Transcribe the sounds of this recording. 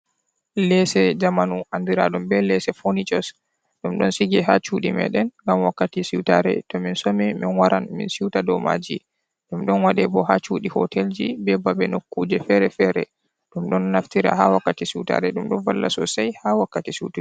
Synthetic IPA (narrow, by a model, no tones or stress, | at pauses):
lɛsɛd͡ʒamanuʔandiɾa̰ɗumbɛlɛsɛfonit͡ʃɔs | ɗumɗɔnsiɡɛɦat͡ʃuɗimɛ̰ɗɛnŋɡamwakːatisiwta̰ɾɛ̰tɔminsomiminwaɾanmḭnsiwtadɔma̰d͡ʒi | ɗumɗɔnwaɗɛbɔɦat͡ʃuɗihɔ̰tʰɛld͡ʒibɛbabɛnokːuːd͡ʒɛfɛɾɛfɛɾɛ̰ | ɗumɗɔnːaftiɾa̰hawakːatisita̰ɾɛɗumɗɔnvalːasɔsajhawakːatisiti